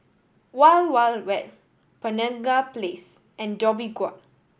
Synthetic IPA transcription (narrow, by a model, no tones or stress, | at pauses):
walwalwɛt | pənãŋɡaples | ʔɛ̃ndɔbiɡwɔt